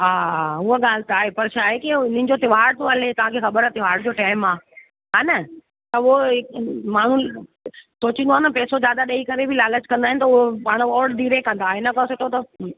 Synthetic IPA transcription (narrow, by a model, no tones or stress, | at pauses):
ɦaːʊɦoɠaːl̤ɪt̪aːɦepɐɾʃaːɦekiʊnɪ̃nɪ̃̆d͡ʑot̪ɪʋ̤aːɾt̪oɐlet̪ɐʋ̤ãkʰexɐbəɾət̪ɪʋ̤aːɖd͡ʑoːʈaːɪmaː | ɦaːnɐ | t̪ɐʊɦoɪmaːɳ̤ũ | soːt͡ɕĩnd̪oaːnɐpɛːsod͡ʑjaːd̪aɗɐikɐɾebʱɪlaːlət͡ɕkɐ̃nd̪aːɦɪnɪ̆t̪ɐʊɦopaːɽ̃ʋɔːɽd̪ʱiːɾekɐ̃nd̪aːɦenɐkɐsɪʈʰot̪ɐ